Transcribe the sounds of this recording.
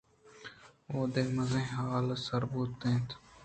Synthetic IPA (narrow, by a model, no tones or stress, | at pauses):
oːd̪eːməzẽːɦaːlsəɾbuːt̪ːẽːt̪